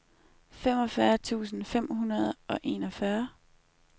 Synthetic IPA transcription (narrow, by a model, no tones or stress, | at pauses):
fem̰ɒ̽fɶɐt͡sʰṵːsn̩fem̰ɦunɐð̞̩ˠɒ̽ʔe̝nɒ̽fɶɐ